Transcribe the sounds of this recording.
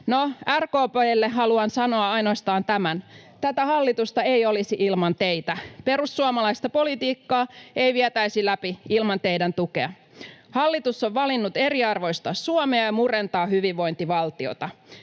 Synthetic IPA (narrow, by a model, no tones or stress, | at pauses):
noærkoːpoelːeɦɑluɑnsɑno̞ɑɑjnoɑst̪ɑːnt̪æmæn | t̪æt̪æhɑlːit̪ust̪ɑejolisiʔilmɑnt̪eit̪æpe̞ɾusːuɑmɑlɑist̪ɑpo̞lit̪iːkːɑːeiʋiɛt̪æisilæpiilmɑnt̪eidænt̪ukeɑ | hɑlːit̪usːoʋːɑlinːut̪eɾiɑrʋo̞jst̪ɑsuomeɑjɑmurent̪ɑːhyʋiʋʋːo̞jnt̪iʋɑlt̪io̰t̪ɑ